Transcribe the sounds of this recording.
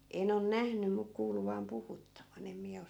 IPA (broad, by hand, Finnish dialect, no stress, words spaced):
en on næhny mu kuːlu ʋɑːm puhutːɑʋɑn em miæ os